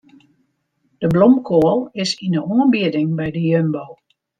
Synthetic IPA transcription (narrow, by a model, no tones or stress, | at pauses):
d̥əblɔmkʰoəlˠɪsinəɔənbiədɪŋbɛjdəjønboː